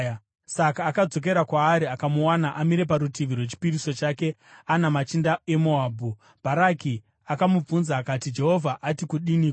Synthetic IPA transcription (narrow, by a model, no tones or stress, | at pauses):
sakaːkad͡zo̞k̬e̞ɾakwaːɾiakamuwanaʔamiɾe̞paɾutiʋirwet͡ʃi̥piriso̞t͡ʃaːke̞ | anamat͡ʃindaemoaːbʱu | b̥ʱaɾaki | akamub͡vunzaːkatid͡ʒe̞ɦo̞vʱaʔatikuɗinik